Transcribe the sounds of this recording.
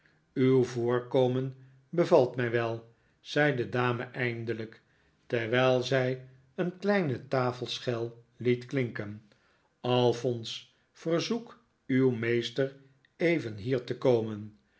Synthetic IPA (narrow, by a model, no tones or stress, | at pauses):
ywvʊːɹkowmən | bəvɑlˠtmɛjʋɛlˠ | z̥ɛjdədaːməʔɛjndələk | tɛɹʋɛjlˠzɛj | ənklɛjnətaːfəlˠsχɛlˠ | litklɪŋkən | ɑlˠfɔns | fərzuk | ywmejstər | ejvənɦiːɹtəkowmən